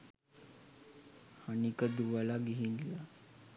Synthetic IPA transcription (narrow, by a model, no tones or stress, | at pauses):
hənikəd̪uʋalaɡiɦinla